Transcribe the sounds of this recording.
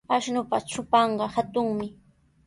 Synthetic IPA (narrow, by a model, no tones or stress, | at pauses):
aʃnʊpat͡ʃʊpɑɴɢɑhat̪ʊŋmɪ